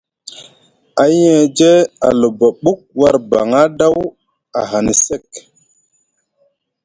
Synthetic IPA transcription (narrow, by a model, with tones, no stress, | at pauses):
a˨˦jɛ̃˦˨d͡ʒe˦a̰˨lo˨ba˨ɓu˦k̚wa˦ɾba˨ŋa˦da˦w | a̰˨ɦa˨ni˨se˦˨k